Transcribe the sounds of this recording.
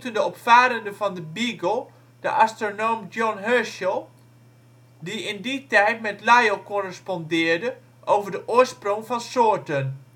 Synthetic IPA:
təndəɔpfaːɾəndəvɑndəbiɡəlˠ | d̥əʔastronowmdjɔnɦøʃəlˠ | diɪnditɛjtmɛtlajokɔrɛspɔndɪːɹdə | ʔowvəɹdəʔʊːəɹsproŋfɑnsoəɹtən

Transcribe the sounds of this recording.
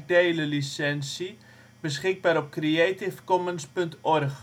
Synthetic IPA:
deːləlisɛnsi | b̥əs̬χɪɡ̚baːɾɔp̚krieːtɪfkɔmənspɵntɔrχ

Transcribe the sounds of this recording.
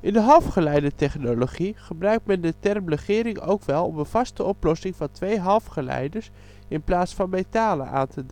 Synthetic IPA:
ʔɪndəɦɑlˠfχəlɛjdətɛχnoloχiχəbrœɥk̚tmɛndətɛrmrəχɪːɾɪŋo̰wkʋɛlˠɔmənv̥ɑstəɔplɔsɪŋvɑntʋejɦɑlˠfχəlɛ̰jdəɹs | ɪnplaːtsfɑnmejtaːlə̰ʔa̰ːntəd

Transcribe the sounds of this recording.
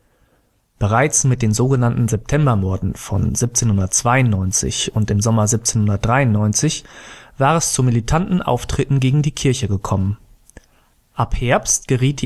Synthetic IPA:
b̥əʁ̞aɪt͡smɪt̚d̥eːnzoːɡənantn̩zɛp̚tʰɛmbɐmɔɐdn̩fɔ̰nzɪp̚t͡seːnhʊndɐtt͡sv̥aɪʊnnːɔʏnt͡sɪ̰çʊntɪmzɔmɐzɪp̚t͡senhʊndɐt̚d̥ʁaɪʊnːɔʏnt͡sɪçv̥aːʁɛst͡sumilitʰantn̩ʔa̰ʊftʁ̥ɪtn̩ɡeːɡŋ̩diːkʰɪɐçəɡəkʰɔmən | ʔaphɛɐpstɡ̥əʁiːt̚di

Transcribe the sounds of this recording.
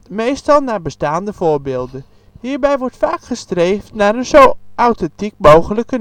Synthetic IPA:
mejstɑlˠnaːbəstaːndəv̥oːɹbeːlˠdən | hiːɹbɛjʋɔɹtfaːkχəstreːftnaːrənzowʔawtɛntik̚mowxələkə

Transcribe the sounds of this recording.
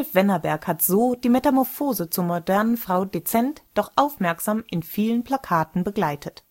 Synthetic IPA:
lfv̥ɛnɐbɛɐkhatz̥oːd̥iːmɛtamɔɐfoːzət͡suːɐmodɛɐnənfʁ̥aʊdet͡sɛntd̥ɔχʔaʊfmɛɐkz̥aːmʔɪnfiːlənpʰl̥akʰaːtn̩bəɡlaɪtʰət

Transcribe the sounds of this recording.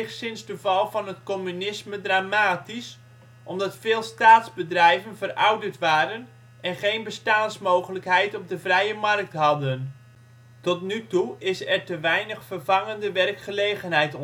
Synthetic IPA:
χsɪnzdəvɑlˠvɑnɦətkɔmynɪsmədraːmaːtis | ʔɔmdɑtfɪːlˠstaːtzbədrɛjvənvərɑ̰wdəɹtʋaːɾən | ʔɛnχejnbəstaːnsmowχələkɦɛjtɔb̚dəvrɛjəmɑrk̚tɦɑdən | tɔtnytuɪsɛɹtəʋɛjnəχfərvɑŋəndəʋɛrkχəlejχənɦɛjt

